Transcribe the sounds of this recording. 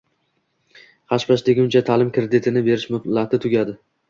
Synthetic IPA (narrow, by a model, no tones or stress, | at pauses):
χɑʃpaʃd̪eɡʲʊnt͡ʃʰat̪ʰalɪmkɾed̪ɪt̪ʰɪnɪbe̞ɾɪʃmʊt̪lat̪ʰɪt̪ʰʊɡʲad̪ɪ